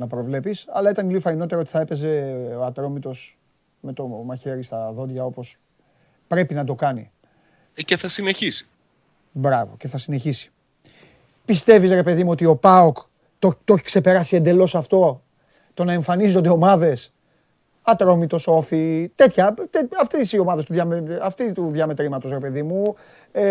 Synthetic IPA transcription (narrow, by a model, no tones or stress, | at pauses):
nɐpɾo̞vle̞pisɐlɐet̪ɐnlifɐino̞t̪eɾɐot̪i̥θɐe̞pe̞ze̞oɐt̪ɾo̞mit̪o̞s | me̞t̪o̞mɐçe̞ɾist̪ɐðo̞d̪ʝɐo̞po̞s | pɾe̞pinɐd̪o̞kɐni | ceθɐsineçisi̥ | bɾɐvo̞̰ce̞θɐsine̞çisi̥ | pist̪e̞visɾe̞pe̞ðimuo̞t̪io̞pɐok̪ | ot̪o̞çi̥kse̞pe̞ɾɐsie̞nd̪e̞lo̞sɐft̪o̞ | t̪o̞nɐe̞ɱfɐnizo̞nd̪e̞o̞mɐðe̞s | ɐt̪ɾo̞mit̪o̞so̞fit̪e̞t̪çɐt̪eɐft̪esio̞mɐðest̪uðjɐmeɐft̪it̪uðʝɐme̞t̪ɾimɐt̪o̞sɾe̞pe̞ðimu